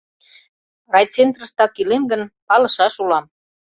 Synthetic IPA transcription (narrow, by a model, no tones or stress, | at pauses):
rɑjt͡sent̪rə̆ʃt̪ɑkilemɡənpɑlɤ̆ʃɑʃulɑm